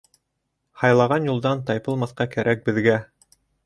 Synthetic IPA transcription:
hɑjlˠɑʁɑnjulˠd̪ɑnt̪ɑjpɤlˠmɑθqɑkæɾʔæk̚bɘ̆ðɡæ

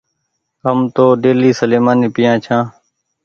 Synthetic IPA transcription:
ɦəmt̪oːɖeːliːsəleːmaːniːpɪjãːt͡ʃʰãː

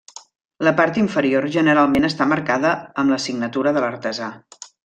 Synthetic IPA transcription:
ləpaɾt̪iɱfəɾioɾʒənəɾalˠmenəst̪aməɾkaðəəmləsiɡnət̪uɾəðələɾt̪əza

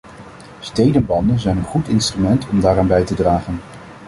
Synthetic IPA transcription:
stejdənbɑndənzɛjnənχutɪnstrymɛntʰɔmdaːraːnbɛjtədraːχən

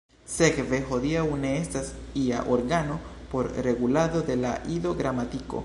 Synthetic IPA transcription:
sekvexoðiauneest̪asia̰ʔoɾɡanopoɾreɣulaðoðelaʔiðoɣɾamat̪iko̰

